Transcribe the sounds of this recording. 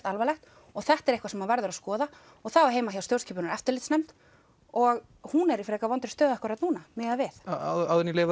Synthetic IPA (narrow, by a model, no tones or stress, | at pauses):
t̪alvalɛxt̪ | ɔɣθɛht̪ɛɾejhkvasɛmːanvɛɾðʏɾaskɔːða | ɔɣθawaɦeːjmajawst̪jowscʰiːpʏnʏɾɛft̪ʏɾlɪt̪snɛjmt̪ | ɔɣ | hunɛɾifɾɛːkavɔnt̪ɾɪ̥ɾst̪œːðɛhkaɾat̪nuːnamɪːɣavɪθawðɛnːɪleːv